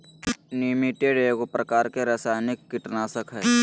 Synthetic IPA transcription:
limiʈeɖeːɡopɾɐkaːɾkeɾəsaːjnɪkːɪʈnaːsəkʰɦɛː

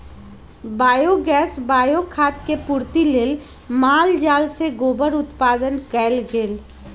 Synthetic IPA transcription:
baːjoɡɛːsbaːjokʰaːt̪kepuːɾt̪ileːl | maːld͡ʒaːlseɡoːbəɾʊt̪paːd̪ənkɛːlɡeːl

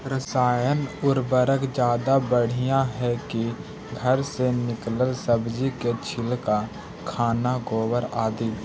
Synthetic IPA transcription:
ɾəsaːjənʊɾbəɾəkd͡ʒjaːd̪abəɽ̤ijãɦɛki | ɡʱəɾsenɪkləlsəbd͡ʒiket͡ʃʰɪlka | kʰaːnaɡoːwəɾaːd̪iː

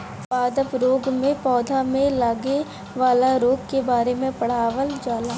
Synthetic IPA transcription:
paːd̪əpɾoːɡmẽpɔːd̪ʱamẽlaːɡe | ʋaːlaɾoːɡ̚kebaːɾemẽpɐɽ̤aːʋəld͡ʒaːlaː

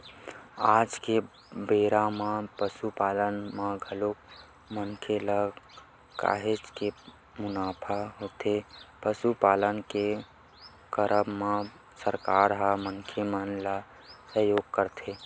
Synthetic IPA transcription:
aːd͡ʒke | beɾamapəsupaːlənmeɡʱəlok | mənkʰela | ka̰ːɦed͡ʒke | mʊnaːpʰaɦot̪epəsupaːlənke | kəɾʔəmme | səɾkaːɾɦaməŋkʰemənla | səɦjoːɡkəɾt̪ʰe

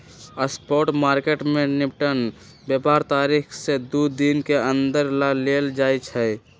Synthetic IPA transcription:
əspɔːʈmaːɾkeʈmẽnɪpʈən | bjəpaːɾt̪aːɾikʰsed̪ud̪inkeə̃nd̪əɾlaleːld͡ʒaːjt͡ʃʰɛ

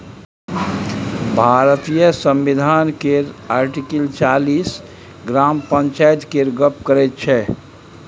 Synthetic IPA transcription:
bʱaɾət̪ijəsə̃mʋid̪ʱankeɾaɾʈikəlt͡ʃalis | ɡɾampənt͡ʃajt̪keɾɡəpkəɾɛt̪̚t͡ʃʰɛ

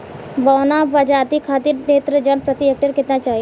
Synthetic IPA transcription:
bɔːnabad͡ʒaːt̪ikʰaːt̪iɾneːt̪ɾəd͡ʒɐnpɾət̪iɛk̚ʈɪɾkɪt̪nat͡ʃaːɦi

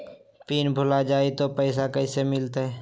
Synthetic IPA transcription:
piːnbʱʊlad͡ʒaːit̪opɛɪsakɛɪsemɪlt̪aɦɛː

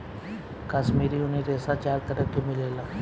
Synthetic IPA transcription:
kaʃmiːɾiʊneɾeːsat͡ʃaːɾt̪əɾəkemɪleːlaː

